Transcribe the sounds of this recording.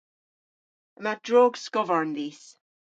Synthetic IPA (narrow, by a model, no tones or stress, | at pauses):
əmad̥ɹɔːɡskɔvəɹənðiːs